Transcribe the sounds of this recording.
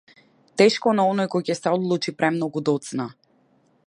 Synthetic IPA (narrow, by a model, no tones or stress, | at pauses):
t̪ɛʃkɔnaɔnɔjkɔjcɛsɛɔd̪lˠut͡ʃipɾʔɛmnɔɡud̪ɔt̪sna